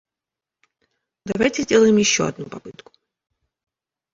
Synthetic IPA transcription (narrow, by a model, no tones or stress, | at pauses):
d̪avajtʲɪzʲdʲelˠəjɪmjɪɕːo̰ɐ̰d̪nupɐpɨt̪kʊ̥